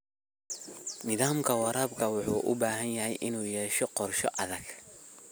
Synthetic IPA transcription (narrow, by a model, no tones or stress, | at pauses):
nɪðaːmkʰɐwɑɾaːbkʰɐwʊħuːʔʊ̰baːɦɐnjɐɦɛjʔɪnuːjɛːʃɔqɔrʃɔ̰ʔɐðɐɡ